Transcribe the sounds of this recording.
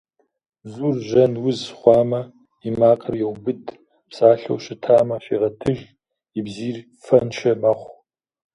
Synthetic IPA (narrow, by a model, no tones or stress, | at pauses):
zuːrʒɐnwʊzχʷɑːmɐ | imaːqʼɐrjɛwbɨd | psaːɬɐ̰wɕɪtʰaːmɐɕiːʁɐtʰɨʒ | ibziːr | fɐnʃɐmɐχʷ